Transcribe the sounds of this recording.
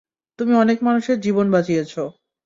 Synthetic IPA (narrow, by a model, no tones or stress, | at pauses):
t̪umiɔnekmanuʃeɾd͡ʑibonbat͡ɕijet͡ɕʰo